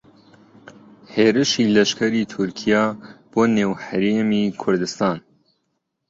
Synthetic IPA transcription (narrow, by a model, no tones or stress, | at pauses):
heːɾɨʃiːlɛʃkʰɛɾiːt̪ʰʊɾkʰijɑːb̥oːneːwhæɾeːmiːkʰʊɾd̪ɨst̪ɑːn